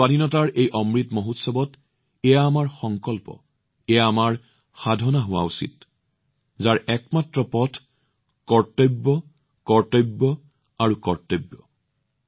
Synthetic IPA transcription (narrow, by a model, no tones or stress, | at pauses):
aninɔtaɹʔejʔɔmɹitmoɦutsɔbɔt | ɛjaːmaɹxɔŋkɔlpɔ̰ | ɛjaːmaɹ | xadʱɔnaɦʊwa̰usḭt̚ | zaɹɛkmatɹɔpɔtʰ | kɔɹtɔbːɔ | kɔɹtɔbːɔ | aɹukɔɹtɔjbːɔ